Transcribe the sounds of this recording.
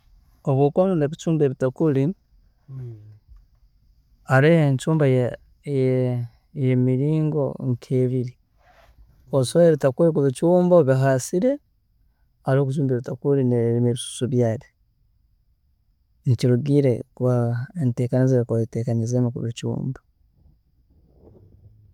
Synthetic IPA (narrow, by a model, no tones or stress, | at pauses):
oβwoːkwonuneβit͡ʃuːmbeβitakuli | aɾeheɲt͡ʃuːmbaj | j | jemiɾiːŋɡo̞̰ŋkʰeːβiɾi | osoeβitakulikuβit͡ʃuːmboβiɦasiɾe̞ | aɾoːkut͡ʃuːmbeɾutakuɾinemeβisu̥suβjaːɾe | niciɾuɡiːɾe̞kβaente̞ːkanizeβikoiteːkaɲizeːmukuβit͡ʃṵːmba